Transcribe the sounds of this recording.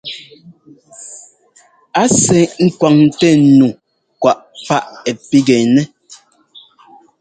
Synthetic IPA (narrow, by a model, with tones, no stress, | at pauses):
a˦sɛ˨ŋ̩˦kwa˨ŋ˦tɛ˦˨nu˨ | kwa˨ʔfa˦ʔɛ˨pi˦ɡɛ˨nɛ˦